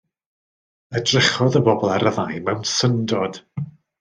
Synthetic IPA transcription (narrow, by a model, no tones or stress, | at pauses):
ədrɪχɔðəbɔbɔlˠɛɾəðajmɛwnsəndɔd̥